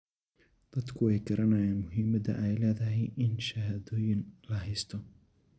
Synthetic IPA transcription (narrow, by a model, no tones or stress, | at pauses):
d̪̥ɐd̪kʰʊɛjɡɐɾʔɐnɐjaːnmʊɦimɐðɐ̰ʔɛjlɛːðɐɦɛjʔɪnʃɐɦɐðoːjɪnlɐɦɛjst̪ʰɔ